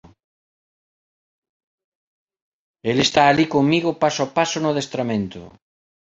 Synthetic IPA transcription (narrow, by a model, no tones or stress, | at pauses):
elest̪aːlikoŋmiɣʊpasoapasʊnʊðest̪ɾamẽnt̪ʊ̰